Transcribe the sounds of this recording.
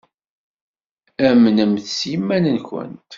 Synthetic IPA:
æmənəmθsimːænənçʷə̰nt̪

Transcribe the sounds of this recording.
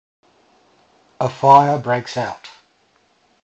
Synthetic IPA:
əfaɪəbɹeɪksaʊt

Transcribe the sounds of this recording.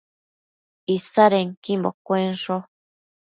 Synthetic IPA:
isaɾeŋkimbo̰kʷenʂo

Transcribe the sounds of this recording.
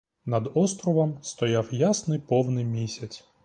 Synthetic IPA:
nɐd̪ɔst̪ɾɔʋɐmst̪ɔjawjasnɪpɔwnɪmʲisʲɐtt͡sʲ

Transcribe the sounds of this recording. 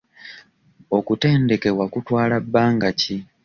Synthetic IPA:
o̞kute̞ːnde̞ke̞wakutwaːlabːaːŋɡaci

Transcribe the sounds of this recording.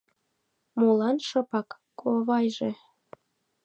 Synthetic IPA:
mulɑnʃɤ̆pɑkːʰ | oβɑjʒe

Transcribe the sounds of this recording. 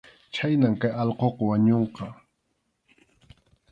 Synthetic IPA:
t͡ʃajnamkajɑʎqoqɑwaɲoɴqɑ

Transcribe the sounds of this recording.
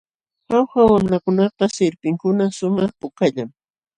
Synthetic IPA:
xawxawamɾakʊnɑqɑsɪɾpɪŋkʊnasʊmɑχpʊkaʎaŋ

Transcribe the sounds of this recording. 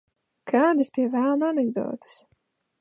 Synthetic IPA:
kaːd̪ʲispʲiɛvælˠnanɛɡd̪ɔ̰ːt̪ɨ̥s

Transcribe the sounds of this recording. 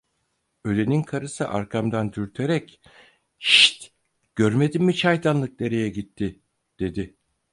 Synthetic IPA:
ø̞le̞ninkʰaɾɯsɯʔaɾkʰamd̪and̪yɾt̪ʰeɾɛc | ʃi̥t̪ | ɟ̥øɾme̞d̪imːit͡ʃʰajd̪anlˠɯk̚d̪e̞ɾe̞jɛɟit̪ʰːɪ | d̪̥e̞d̪ɪ

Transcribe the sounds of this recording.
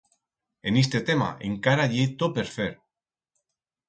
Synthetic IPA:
enist̪et̪ema̰ʔḛŋkaɾaʎet̪opeɾfeɾ

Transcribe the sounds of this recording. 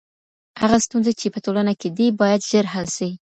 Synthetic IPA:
haɣast̪unzat͡ʃepətolanaked̪ibɑjad̪ʒəɾɦalsai

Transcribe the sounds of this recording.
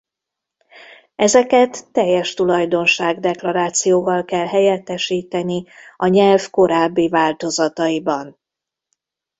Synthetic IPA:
ɛzɛkɛt̪ːɛjːɛʃt̪ulɒjd̪o̞nʃaːɡd̪ɛklɒɾaːt̪sijoːvɒlkɛlɦɛjɛt̪ːɛʃiːt̪ɛniɒɲɛlfko̞ɾaːbːivaːlt̪o̞zɒt̪ɒjibɒn

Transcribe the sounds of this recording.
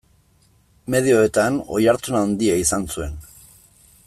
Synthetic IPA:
me̞ðio̞et̪ano̞jaɾt̪unand̪iaisansue̞n

